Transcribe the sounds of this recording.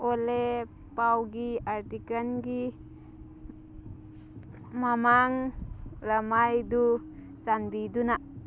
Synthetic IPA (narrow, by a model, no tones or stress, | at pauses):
ole | pawɡiaɾt̪ikənɡi | mamaŋləmajdu | t͡ʃanbidunaʔ